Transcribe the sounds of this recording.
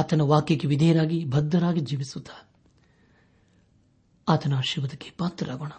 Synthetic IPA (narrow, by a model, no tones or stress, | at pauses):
at̪ɐnɐʋaːkjɐkːeʋid̪ʱeːɐɾaːɡibʱɐd̪ːɐɾaːɡid͡ʒiːʋisut̪ʰːḁ | aːt̪ɐnaːʃiʋɐd̪ɐkːe̥paːt̪ɾɐɾaːɡoːɳɐ